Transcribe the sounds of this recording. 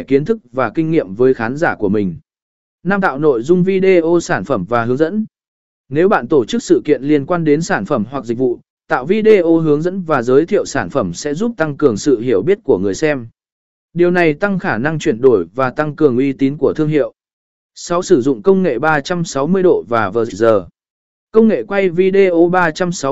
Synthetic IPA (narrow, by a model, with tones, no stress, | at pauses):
ki˨˦ənt̪ʰɨ˦˥k̚vaː˨˩kï˧ŋ̟ːḭ˧˨əmvəː˨˦jxaː˨˦nzaː˧˩ku˧˩əmï˨˩ŋ̟ | naː˧mt̪a̰ː˧˨wno̰˧˨jzʊ˧ŋ͡mvi˧ɗe˧ʔo˧saː˧˩nfə˧˩mvaː˨˩hɨ˨˦əŋzə̰˧˥n | ne˨˦wɓa̰ː˧˨nt̪o˧˩t͡ɕɨ˦˥k̚sɨ̰˧˨kḭ˧˨ənli˧ənkwaː˧nɗe˨˦nsaː˧˩nfə˧˩mɦwa˨˩k̚zï˨˩k̚vṵ˧˨ | t̪a̰ː˧˨wvi˧ɗe˧ʔo˧ɦɨ˨˦əŋzə̰˧˥nvaː˨˩zəː˨˦jt̪ʰḭ˧˨əwsaː˧˩nfə˧˩msɛ̰˧˥zu˦˥p̚t̪a˧ŋkɨ˨˩əŋsɨ̰˧˨ɦi˧˩əwɓi˦˥ət̚ku˧˩əŋɨ˨˩əjsɛ˧m | ɗi˨˩əwna˨˩jt̪a˧ŋxaː˧˩na˧ŋt͡ɕwi˧˩ənɗo˧˩jvaː˨˩t̪a˧ŋkɨ˨˩əŋʔwi˧t̪i˨˦nku˧˩ət̪ʰɨ˧əŋhɦḭ˧˨əw | sa˨˦wsɨ˧˩zʊ̰˧˨ŋ͡mkə˧wŋ͡mŋḛ˧˨ɓaː˧t͡ɕa˧msa˨˦wmɨ˧əjɗo̰˧˨vaː˨˩və̰ː˧˨zi˧˩zəː˨˩ | kə˧wŋ͡mŋḛ˧˨kwa˧jvi˧ɗe˧ʔo˧ɓaː˧t͡ɕa˧msa˨˦w